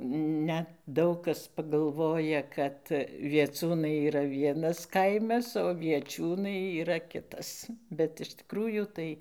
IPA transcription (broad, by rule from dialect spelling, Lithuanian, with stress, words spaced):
ˈnʲɛt ˈdɐʊk kɐs pɐɡɐlˠˈʋoːjɛ ˈkɐt ʋʲiɛˈt͡suːnɐɪ iːˈrɐ ˈʋʲiɛnɐs ˈkɐɪmɐs oː ʋʲiɛˈt͡ʃʲuːnɐɪ iːˈrɐ ˈkʲɪtɐs bʲɛt ɪʃ tʲɪˈkruːjuː ˈtɐɪ